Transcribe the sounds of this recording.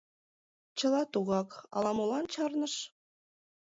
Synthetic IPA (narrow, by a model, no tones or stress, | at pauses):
t͡ɕɤ̆lɑt̪uɣɑkɑ̰lˠɑmulɑnt͡ɕɑrnɤ̆ʃ